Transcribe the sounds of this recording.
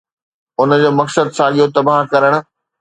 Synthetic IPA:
ʊnə̆d͡ʑoːmɐksəd̪sãːɠijot̪ɐbaɦkɐɾəɽ̃ʊ̆

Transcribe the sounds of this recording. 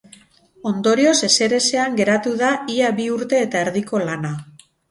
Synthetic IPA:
o̞nd̪o̞ɾio̞se̞se̞ɾe̞se̞aŋɡe̞ɾat̪uðaiaβiuɾt̪e̞ːt̪ae̞ɾðiko̞lana

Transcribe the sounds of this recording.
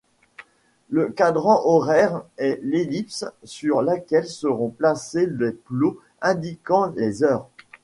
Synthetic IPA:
ləkad̪ʁɑ̃ʔɔʁɛʁɛlelipssyʁlakʲɛlsəʁɔ̃plaseleplo | ɛ̃d̪ikɑ̃lezœːʁ

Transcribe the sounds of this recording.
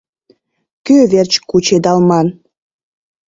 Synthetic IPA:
køβert͡ɕkut͡ɕed̪ɑlmɑn

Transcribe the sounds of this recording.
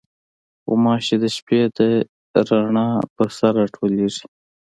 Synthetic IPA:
xo̰mɑːʃed̪əʃped̪ə | ɾaɳɑːpəɾsaɾaʈʰoleʐi̥

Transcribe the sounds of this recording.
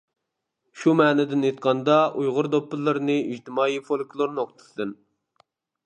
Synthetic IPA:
ʃumɛːnɪd̪ɪnet̪̚qʰɑnd̪ɑʔujʁʊɾd̪opːɨlˠːɨɾnɨiʒt̪ɪmɑːifolˠkʲʰlˠoɾnɨoχt̪ʰɨ̥sd̪ɨn

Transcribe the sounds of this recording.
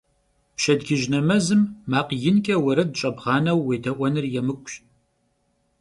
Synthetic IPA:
pʃɐdɡʲɪʒnɐmɐzɨmːaːqjɪnkʲʼɐwɐɾɐd̚t͡ʃʼɐbʁɑːnɐwːeːdʰɐʔʷɔnɨrjɛmɨkʷʼɕt

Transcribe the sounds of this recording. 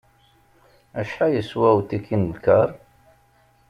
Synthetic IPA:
æʃħajəswæwt̪ikʰːinlkəɾˤ

